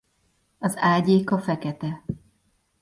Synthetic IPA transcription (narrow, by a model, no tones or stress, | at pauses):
ɒzaːɟeːkɒfɛkɛt̪ɛ